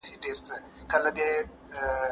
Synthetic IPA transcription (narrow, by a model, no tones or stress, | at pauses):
siɖeɾt͡sə | kəlad̪e